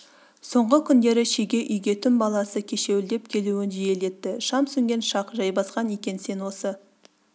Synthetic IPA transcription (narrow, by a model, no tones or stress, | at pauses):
so̞ɴʁəkʲʰʏnd̪e̞ɾɪʃeɡʲe̞ʔʏjɡʲe̞t̪ʰʏmbɑlˠɑsəkʲʰe̞ʃe̞wɪld̪e̞p̚kʲʰe̞luɪnʒije̞le̞t̪ːɪʃɑmsʏŋɡʲe̞nʃɑqʒɑjbɑsqɑnekʲe̞nse̞nwo̞sə